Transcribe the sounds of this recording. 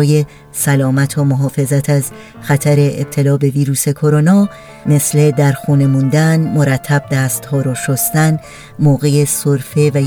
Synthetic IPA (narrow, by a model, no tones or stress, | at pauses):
je̞ | sælɒːmæt̪ʰomoɦɒːfe̞zæt̪ʰæz | xæt̪ʰæɾeeb̚t̪ʰe̞lɒːbe̞viːɾuːse̞kʰo̞ɾo̞nɒː | me̞sle̞d̪æɾxuːne̞muːnd̪ænmo̞ɾæt̪ʰːæb̚d̪æːst̪hɒːɾɒʃost̪æn | moːɣejesoɾfe̞væ